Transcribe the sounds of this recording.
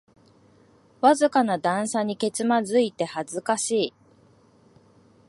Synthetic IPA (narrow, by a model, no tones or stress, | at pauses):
βazɨkanad̪ãɰ̃saɲ̟ike̞t͡sɨmazɨit̪e̞hazɨkaɕiː